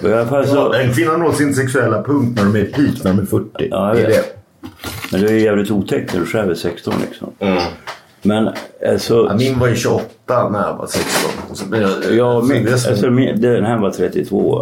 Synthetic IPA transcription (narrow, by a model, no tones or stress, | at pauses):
ɔɪalafalsɔd̪ɛnkʰvɪnːanloːt̪sɪnsɛksɵɛlːapʰɵŋkt̪næɖɔmɛɾpʰiːknæɖɔmæɾfœʈːɪɑ̰ːjavḛːd̪ɛ | mɛnd̪ɵæjæːvlɪt̪uːt̪ʰɛk̚t̪nædʉʂæːvəsɛkst̪ɔ̰nlɪ̰ksɔ̰m | mɛnalsɔmɪnːvajɵɕɵɔt̪ːanæɾja̰va̰sɛkst̪ɔ̰nsmɛnjjɑːmɪa̰sɔmɪd̪ɛɛnɦæːɾvat̪ʰɾɛt̪ːɪt̪ʰvo̰ː